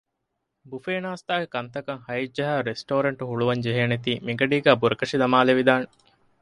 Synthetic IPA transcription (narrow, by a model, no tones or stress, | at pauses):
bufeːnaːst̪aːɡekɐnt̪ɐkɐŋhɐjid͡ʒːɐɦæːɾesʈoːɾɐɳʈuhuɭuʋɐɲd͡ʒeɦeːnet̪iːmiɡɐɖiːɡæːbuɾɐkɐʂid̪ɐmaːleʋid̪aːne